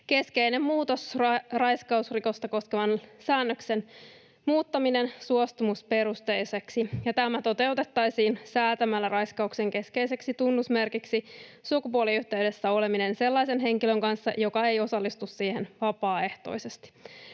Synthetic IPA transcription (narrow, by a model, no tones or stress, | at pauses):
ke̞ske̞ine̞mmuːt̪osrɑjskɑusriko̞st̪ɑko̞skeʋɑnsæːnːøksen | muːt̪ːɑminensuost̪umuspe̞ɾust̪ejseksijɑt̪æmæt̪o̞t̪e̞wt̪e̞t̪ːɑjsiːnsæːt̪æmælːærɑjskɑukse̞ŋke̞ske̞ise̞ksit̪unːusme̞rkiksisukupuoliyht̪e̞yɥde̞sːæo̞leminense̞lːɑjse̞nɦe̞ŋkiløŋkɑnsːɑ̰jo̞kɑe̞jo̞sɑlːist̪ussiːhenʋɑpɑːe̞ht̪o̰ise̞st̪i̥